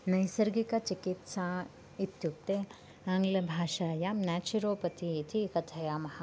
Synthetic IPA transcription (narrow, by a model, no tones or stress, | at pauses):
nɐjsɐɾɡikat͡ʃɪkɪt̪sã | ɪt̪jʊkt̪e | ɐ̃ŋɡlɐbʱaːʃaːjamnɛːt͡ʃuɾoːpɐt̪ʰiet̪ʰikɐt̪ʰɐjaːmɐha